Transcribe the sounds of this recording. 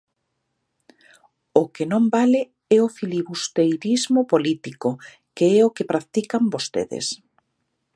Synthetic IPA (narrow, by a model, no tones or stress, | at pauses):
ʊkenõmbalɪ | ɛofiliβust̪ejɾizmʊpolit̪iko | keɛokɪpɾakt̪ikambost̪ḛðḛs